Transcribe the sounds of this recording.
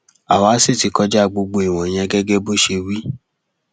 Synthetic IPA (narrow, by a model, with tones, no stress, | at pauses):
a˨wa˨˦si˦˨ti˨˧kɔ˧d͡ʒa˦˨ɡ͡bo˧ɡ͡bo˧i˨w̃ɔ̃˨j̃ɛ̃˧ɡɛ˦ɡɛ˦bo˦˨ʃe˧wi˦